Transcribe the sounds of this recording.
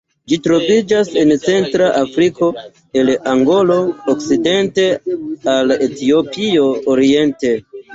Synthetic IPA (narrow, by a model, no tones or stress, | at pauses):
d͡ʒitɾo̞vid͡ʒase̞nt͡se̞ntɾaʔafɾiko̞ | e̞laŋɡo̞lo̞ːk̚t͡side̞nte̞aletio̞pio̞ːɾie̞nte̞